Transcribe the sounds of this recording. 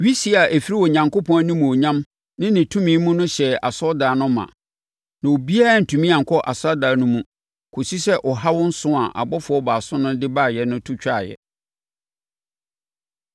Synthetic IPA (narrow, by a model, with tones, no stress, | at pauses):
ɥi˦si˦a˨ʔæ˨fi˦ɾi˦wɔ˨ɲã˨ŋko˦pʰɔ̃˦a˦nĩ˦mũ˨o˨ɲã˦m | nɪ̃˦nɪ̃˨tʰũ˦mĩ˦mũ˦nʊ̃˦ɕɛ˨a̰˨sɔ˦daː˨˦nʊ̃˦mã̰˨ | nã˨o˨bi˦a˦ɾa˨n̩˨tʰũ˨mĩ˦ã˨ŋkʰɔ˦ʔa˨sa˦daː˨˦nʊ̃˦mũ˦ | kʰo˨si˦sɛ˦ʔɔ˨ɦa˦wɔ̃˦n̩˦sʊ̃˦a˨ʔa̰˨bɔ˦fʊ˨ɔ˦baː˨sʊ̃˦nʊ̃˦dɪ˦ba˦˨jɛ˨nʊ̃˦tʰu˦t͡ɕᶣa˦˨jɛ̰˨